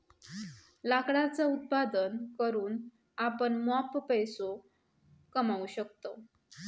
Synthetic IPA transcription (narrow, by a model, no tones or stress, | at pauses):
lakɽat͡saut̪̚pad̪ənkəɾuːn | apəɳmappəjso | kəmauɕək̚t̪o